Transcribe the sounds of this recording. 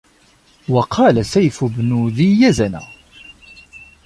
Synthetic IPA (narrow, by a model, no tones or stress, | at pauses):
wɑqʰɑːlasæjfʊbnuðijæzænæ̰